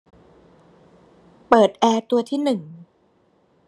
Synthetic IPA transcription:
pɤː˨˩t̪̚ʔɛː˧t̪u˧ɐt̪ʰiː˥˩nɯ˨˩ŋ

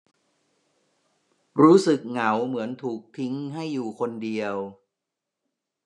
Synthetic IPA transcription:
ɾuː˦˥sɯ˨˩k̚ŋa˩˦wmɯ˩˦ənt̪ʰuː˨˩k̚t̪ʰi˦˥ŋɦa˥˩jːuː˨˩kʰo˧ndi˧əw

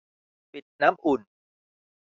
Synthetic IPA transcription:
pi˨˩t̪̚naː˦˥mʔu˨˩n

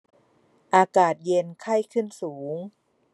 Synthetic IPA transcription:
ʔaː˧kaː˨˩t̪̚je˧nkʰa˥˩jkʰɯ˥˩nsuː˩˦ŋ

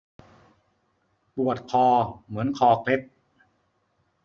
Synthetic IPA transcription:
pu˨˩ət̪̚kʰɔː˧mɯ˩˦ənkʰɔː˨˩kʰle˦˥p̚

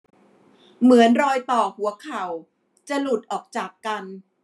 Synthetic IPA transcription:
mɯ˩˦ənɾɔː˧jt̪ɔː˨˩hu˩˦ɐkʰa˨˩w | t͡ɕa˨˩lu˨˩t̪̚ʔɔː˨˩k̚t͡ɕaː˨˩kːa˧n

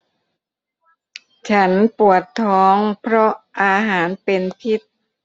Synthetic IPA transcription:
t͡ɕʰa˦˥npu˨˩ət̪ʰːɔː˦˥ŋpʰɾɔ˦˥ʔʔaː˧ɦaː˩˦npe˧npʰi˦˥t̪̚

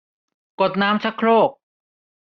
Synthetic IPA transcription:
ko˨˩t̪̚naː˦˥mt͡ɕʰa˦˥kʰːɾoː˥˩k̚

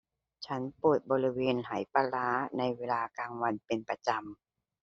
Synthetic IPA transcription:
t͡ɕʰa˦˥npuː˨˩t̪̚bɔː˧ɾi˦˥weː˧nɦa˩˦jpaː˧laː˦˥na˧jweː˧laː˧kaː˧ŋwa˧npe˧npa˧t͡ɕa˧m

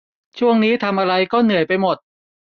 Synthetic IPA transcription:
t͡ɕʰu˥˩əŋniː˦˥t̪ʰa˧mʔa˧ɾa˧jkɔː˥˩nɯ˨˩əjpa˧jmo˨˩t̪̚

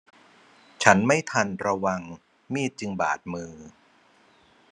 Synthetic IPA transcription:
t͡ɕʰa˦˥nma˥˩jt̪ʰa˧nɾa˧wa˧ŋ | miː˥˩t̪̚t͡ɕɯ˧ŋba̰ː˨˩t̪̚mɯː˧

